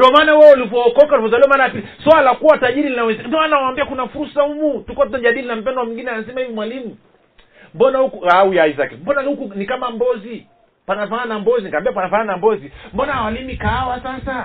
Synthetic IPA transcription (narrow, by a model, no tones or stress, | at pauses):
diɔmaːnawɛulivɔːkɔkaulivɔzaliwamanajapiliswalakuwataʄiɾilinawɛzɛndanawaːmbiakunafuɾusaumutukuwat̬utaʄaɗilinam̩pɛnɔwamiŋɡinɛanasɛmahiimwalimu | mbɔnahukuaujaizakɛmbɔnaniukunikamambɔzi | panafaɲanambɔzinikambiapanafaɲanambɔzimbɔnahawalimikaawasasa